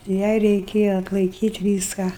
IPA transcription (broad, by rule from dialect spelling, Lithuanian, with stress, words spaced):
ˈjɛɪ rʲɛɪˈkʲeːjɛ ɐtlˠɐɪˈkʲiːtʲ ˈʋʲiːskɑː